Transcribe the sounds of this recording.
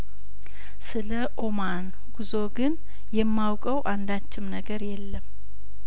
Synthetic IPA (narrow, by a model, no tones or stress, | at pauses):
sɨləʔo̞man | ɡ̥uzo̞ɡɨn | jɛmːawkʼəwʔand̪at͡ʃːɪmnəɡəɾjɛlːəm